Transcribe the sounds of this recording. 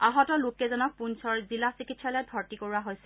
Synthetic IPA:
aɦɔtɔlʊkɛzɔnɔk̚punsɔɹzilasikitsalɛdʱɔɹtikoɹuaɦojsɛ

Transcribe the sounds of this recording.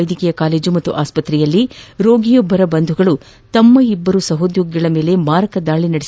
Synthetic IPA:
jd̪ikɛjɐkaːle̞ːd͡ʒumɐt̪ːṵʔaːspɐt̪ɾɛjɐlːiɾo̞ːɡijɔbːɐɾɐbɐnd̪ʱuɡɐɭu | t̪ɐmːɐibːɐɾusɐɦod̪joːɡjɐɭɐmeːle̞maːɾɐkɐd̪aːɭinɐɽes

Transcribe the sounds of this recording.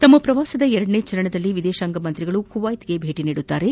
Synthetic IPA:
t̪ɐmːɐpɾɐʋaːsɐd̪ɐɛɾɐɽɐɳeːt͡ʃɐɾɐɳɐd̪ɐlːiʋid̪ɛːʃaːŋɡɐmɐnt̪ɾiɡɐɭukuʋaːjt̪ɡe̞bʱe̞ːʈiniːɽut̪ːaːɾe̞

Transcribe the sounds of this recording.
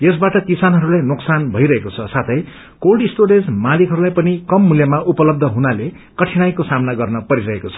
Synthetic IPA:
jesbaʈʌkisanɦʌɾulajnoksanbʱʌjɾʌɦekot͡sʰʌsat̪ʰʌj | kolɖisʈoɽed͡zmalikɦʌɾulajpʌnikʌmːuljʌmaʔupʌlʌb̚d̪ʱʌɦunale | kʌʈʰiñajkosamnaɡʌrnʌpʌɾiɾʌɦekot͡sʰʌ̥

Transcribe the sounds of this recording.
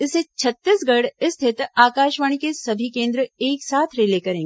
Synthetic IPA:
ɪset͡ʃʰɐt̪ːisɡɐɽɪst̪ʰɪt̪aːkaːʃʋaːɽ̃ikesɐbʱikẽːnd̪ɾəeːksaːt̪ʰɾeːlekɐɾẽːŋɡe

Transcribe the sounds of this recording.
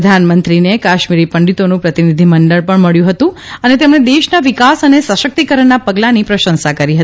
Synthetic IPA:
d̪ʱanmənt̪ɾinekaʃmiɾipəɳɖit̪onũpɾət̪inid̪ʱiməɳɖəɭpəɳməɭjũɦət̪ũ | ənet̪emɳed̪eʃnaʋikasənesəʃək̚t̪ikəɾəɳːapəɡlanipɾəʃə̃nsakəɾiɦət̪i

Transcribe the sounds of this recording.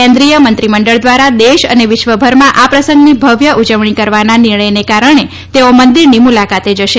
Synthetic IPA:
ɛ̃nd̪ɾijəmənt̪ɾiməɳɖəɭd̪ʋaɾad̪eʃə̰neʋɪʃʋəbʱəɾmãʔapɾəsə̃ŋɡnibʱəʋjəʔud͡ʒəʋɳ̃ikəɾʋananɪɾɳəjnekaɾəɳ̃e | t̪eomənd̪iɾnimulakat̪ed͡ʒəʃe

